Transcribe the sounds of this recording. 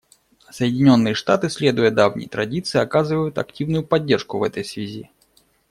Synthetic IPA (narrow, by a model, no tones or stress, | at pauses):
səjɪdʲɪnʲo̞nːɨjəʂt̪at̪ɨsʲlʲe̞d̪ʊjəd̪avnʲɪ̰jt̪ɾɐdʲit̪sɨɪɐkazɨvəjʊt̪ɐ̰k̚tʲivnʊjʊpɐdʲːerʂkʊvɛt̪əjsvʲɪzʲḭ